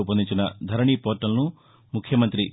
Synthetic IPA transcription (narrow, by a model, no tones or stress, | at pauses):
upːɐnd̪ʱiɲt͡ʃinɐd̪ʱɐɾɐɳiːpoːɾʈːɐlɐnu | mukʰjɐmɐnt̪ɾi